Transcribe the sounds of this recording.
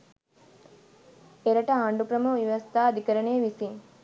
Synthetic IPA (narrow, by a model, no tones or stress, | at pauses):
eɾɐʈɐaːɳɖukɾɐmuʋiʋɐst̪aːɐd̪ikɐɾɐɳeːʋisiŋ